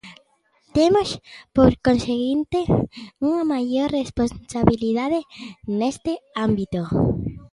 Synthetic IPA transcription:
t̪emospoɾkonseɣint̪euŋamaʝoɾresponsaβiliðaðenest̪eambit̪o

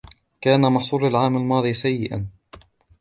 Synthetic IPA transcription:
kaːnamɑħsˤuːɾalʕaːmalmɑːd̪ˤiːsajːɪʔa̰n

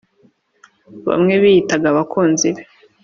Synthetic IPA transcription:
βa̰mŋe̞βijitaɡaβakʰuːnziβe

